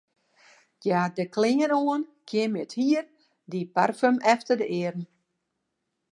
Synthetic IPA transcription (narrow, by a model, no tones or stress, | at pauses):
jaːdəklɪŋənoənkʰjɪmjəthiər | diparfømɛftərdəʔɪərn̩